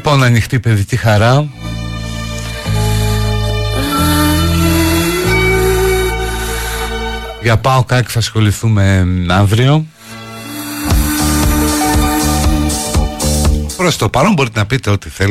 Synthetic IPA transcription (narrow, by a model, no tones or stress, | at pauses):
ponɐnixt̪ipe̞ðicixɐɾɐ | ʝɐpɐokɐci̥θɐsxo̞liθume̞ɐɱvɾio̞ | pɾost̪opɐlombo̞ɾit̪enɐpit̪e̞o̞t̪iθe